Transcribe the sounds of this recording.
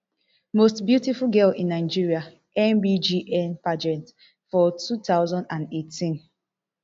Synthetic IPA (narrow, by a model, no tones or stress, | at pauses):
mostbjutifulɡɛlĩnːaɪd͡ʒiɹia | ɛ̃nbid͡ʒiʔɛ̃npad͡ʒɛ̃nt | fɔtutaʊzɔ̃ndãndetʰĩn